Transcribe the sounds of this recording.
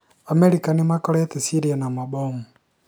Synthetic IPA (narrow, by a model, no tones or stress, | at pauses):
ameɾikanemakɔɾatesiɾianamaɓomu